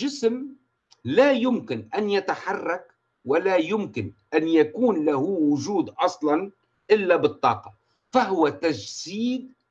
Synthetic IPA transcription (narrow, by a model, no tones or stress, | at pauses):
ʒɪsm | lajʊmkɪnʔanjat̪aħɑrˤːɑk | walajʊmkɪnʔanjakuːnlahuwʊʒuːd̪ʔɑsˤlɑn | ʔɪlːabɨt̪ˤːɑ̰ːqɑ | faɦʊwat̪ad͡ʒziːd̪̚